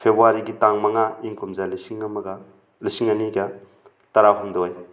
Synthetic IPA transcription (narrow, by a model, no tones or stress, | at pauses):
pʰebɾuaɾiɡitaŋmɐŋaiŋkumzalisiŋɐmɐɡa | lisiŋɐniɡɐ | tɐɾaɦɔmdɔj